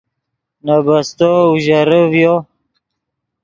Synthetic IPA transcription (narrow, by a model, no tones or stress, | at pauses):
nabast̪oʒaɾəvjo